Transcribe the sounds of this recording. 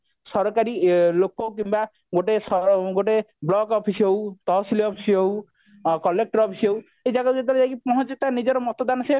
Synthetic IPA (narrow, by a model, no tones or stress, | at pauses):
sɔɾɔkaɾilokːok̬imba | ɡoʈesɔɡoʈ̬eblɔɡɔpʰisowt̪ɔɦɔsiliɔpʰi̥sow | kɔlek̚ʈɔɾɔpʰisow | ejd͡ʒaɡɔt̪et̪ɔled͡ʒajkipɔɦɔ̃t͡ʃit̪anid͡ʒɔɾɔmɔt̪ɔd̪anɔse